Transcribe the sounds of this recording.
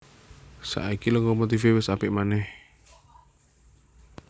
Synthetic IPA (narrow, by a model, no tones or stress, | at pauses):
sa̰ʔikiləŋɡɔmot̪ifewɪsapɪʔmanɛh